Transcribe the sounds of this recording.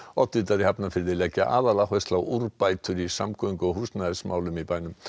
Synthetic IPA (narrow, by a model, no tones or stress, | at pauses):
ɔt̪ːɪt̪aɾihapnafɪɾðɪlɛcːa̰ʔaːðalahɛst̪lawuɾpajt̪ʏɾisamkʰɔiŋkʏɔɦuːsnaðɪsmaːwlʏmipajnʏm